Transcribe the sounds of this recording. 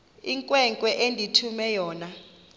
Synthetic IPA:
iŋkʼwɛŋkʼwɛʔendʱitʰumɛjɔːna

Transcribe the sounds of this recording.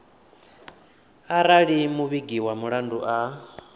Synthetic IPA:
aɾaɺimuβiɡiwamuɺanduʔa

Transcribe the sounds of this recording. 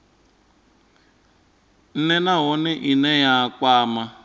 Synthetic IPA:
n̩nenaɦʊnɪʔinejaakʷaːma

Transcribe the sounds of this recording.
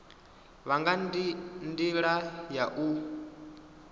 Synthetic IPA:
βaŋɡandiɺajaʔu

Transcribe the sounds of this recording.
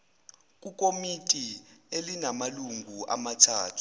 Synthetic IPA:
k̬ʼuk̬ʼomitʼielinamaluŋɡʱuʔa̰matʰaːtʰu̥

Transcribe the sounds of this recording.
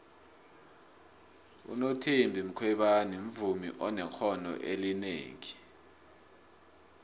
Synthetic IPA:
ṵnotʰimbʱim̩kʰwɛɓanim̩vumḭʔɔnɛxʰɔnɔ̰ʔelinḛːŋi

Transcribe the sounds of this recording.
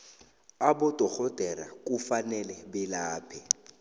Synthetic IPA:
abʊtʼɔk͡xʰɔtɛɾa̰kʼufanɛlɛbɪlaːpʰɛ

